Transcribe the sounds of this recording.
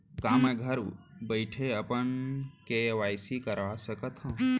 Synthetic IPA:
kaːmẽɡʱɐɾubəjʈʰeəpənkeʋaːjsikəɾʋasəkət̪ʰɦə̃

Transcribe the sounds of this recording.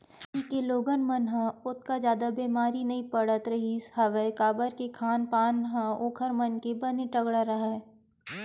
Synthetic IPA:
kikeloːɡənmɐnɦãʊt̪̚kad͡ʒjaːd̪abeːmaːɾinɐɦĩpɐɽət̪ɾɐɦishɐʋəkaːbəɾkekʰaːnpaːnɦãoːkʰəɾmɐnkebɐneʈɐɡɽaɾɐɦa

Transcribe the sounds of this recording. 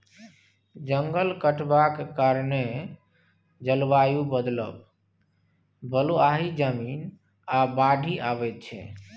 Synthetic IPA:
d͡ʒəŋɡəlkəʈbakekaɾne | d͡ʒəlbajubəd̪lə̰b | bəluaɦid͡ʒəmin | abaɖʱiʔabɛt̪̚t͡ʃʰɛ̰

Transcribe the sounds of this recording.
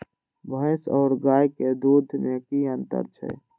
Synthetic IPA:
bʱə̃sɔːɾɡaːjked̪uːd̪ʱmẽkiənt̪ə̰ɾt͡ʃʰɛ̰ː

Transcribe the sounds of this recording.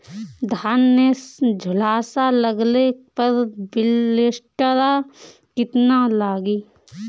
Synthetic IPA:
d̪ʱaːnːed͡ʒʱʊlaːsaləɡlepəɾbɪlːesʈəɾa | kɪt̪nalaːɡiː

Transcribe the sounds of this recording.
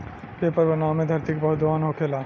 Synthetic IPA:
bepɔɾbonamed̪ʱaɾt̪ikbɔɦd̪oɦanɦokʰela

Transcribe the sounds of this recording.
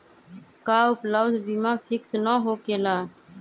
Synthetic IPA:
kaːʊpləʋd̪bimãːpʰɪksnaːɦoːkeːlaː

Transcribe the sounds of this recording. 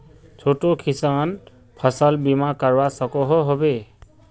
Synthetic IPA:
t͡ʃʰoʈokʰisan | pʰʌsalbimakaɹwasɔkɔɦɔɦobe

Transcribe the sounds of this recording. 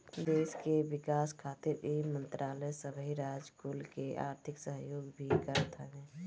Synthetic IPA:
d̪eːskeʋɪkaskʰaːt̪iɾemə̃nt̪ɾʔaːləjsəbʱəiɾad͡ʒkulkeʔa̰ːɾt̪ʰɪksəɦjoːɡbʱikəɾət̪ɦənẽ

